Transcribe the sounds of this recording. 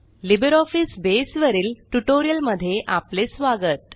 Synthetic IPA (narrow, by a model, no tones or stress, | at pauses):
libəɾɔfisbesʋəɾiːlʈuʈoɾijəlməd̪ʱːjeʔaplesʋaɡət̪